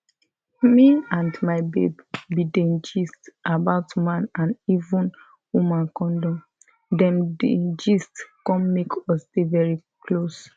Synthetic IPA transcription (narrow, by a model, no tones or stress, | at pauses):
miãndmaɪbḛbbidɛ̃nd͡ʒistʔabaʊtmãnãnivũn | wumãnkɔ̃ndɔ̃m | dɛ̃ndḛd͡ʒistkɔ̃nmekʰɔsdevɛɹikʰlos